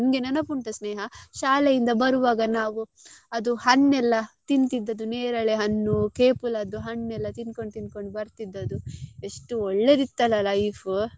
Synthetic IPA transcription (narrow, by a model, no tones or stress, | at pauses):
nɡenɐnɐpuɳʈɐsneːɦɐʃaːlejind̪ɐbɐɾuʋaːɡɐnaːʋuɐd̪uhɐnːɛlːɐt̪int̪id̪ːɐd̪uneːɾɐɭeɦɐnːukeːpulɐd̪uɦɐnːɛlːɐt̪inko̞ɳɖt̪inko̞ɳɖbɐɾt̪id̪ːɐd̪ue̞ʂʈuɔɭːe̞d̪it̪ːɐlːɐlɐjfu